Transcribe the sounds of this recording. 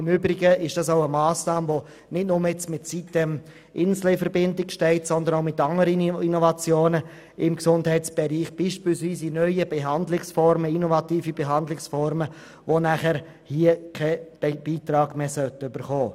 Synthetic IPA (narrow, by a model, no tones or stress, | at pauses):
ɪmʏbɾɪɡəɪʃd̥ɑs̬aʊəmɑːsnɑːməʋo | nɪtnʊməɛt͡smɪtsitːəm | ʔɪnslɛɪfəɾbɪndɪkʃtɛɪtsɔndənaʊmɪtɑŋəɾəninovɑt͡sjoːnə | ɪmksʊndhɛɪtt͡sb̥ɛɾiːχb̥iːʃpilsʋiːsinœʏəb̥ɛɦɑndlɪksfɔɾməinovɑtiːfibɛɦɑndlɪksfɔɾmə | ʋonæχəɾ | hiːəkʰɛb̥b̥iːt̪ɾɑːɡ̥meːsœltəøbəɾχɔː